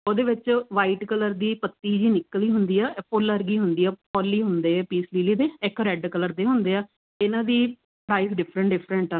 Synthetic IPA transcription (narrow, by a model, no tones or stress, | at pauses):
oːd̪eːʋɪt͡ʃʋaːiʈkələɾd̪iːpət̪ːiːd͡ʒiːnɪkːəliːɦʊnd̪iːɛːpʊləɾɡiːɦʊnd̪iːɛːpɔːlːiːɦʊnd̪eːɛːpiːsliːliːd̪eːɪkɾɛɖkələɾd̪eːɦʊnd̪eːaː | ɪnãːd̪iː | pɾaːɪsɖɪpʰɾə̃ɳʈɖɪpʰɾə̃ɳʈː